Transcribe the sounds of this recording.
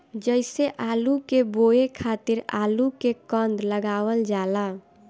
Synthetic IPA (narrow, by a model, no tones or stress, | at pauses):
d͡ʒəɪseʔalukeboekʰat̪iɾa̰lukekə̃nd̪ləɡaʋəld͡ʒala